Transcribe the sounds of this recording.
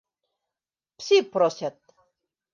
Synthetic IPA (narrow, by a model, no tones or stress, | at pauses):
psʲipɾosʲat̪̚